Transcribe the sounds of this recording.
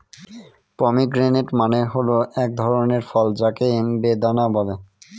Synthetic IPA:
pɔmiɡɾeneʈmaneɦoloɛk̚d̪ʱɔɾoneɾfɔld͡ʑakeenbed̪anabɔle

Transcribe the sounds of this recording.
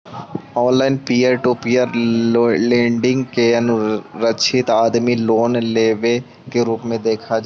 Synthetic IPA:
ɔːnlaːɪnpiːəɾʈupiːəɾ | lẽːɳɖɪ̃ŋɡkeɐnʊɾət͡ʃʰɪt̪aːd̪miloːnleːʋe | keɾuːpmẽd̪eːkʰad͡ʒ

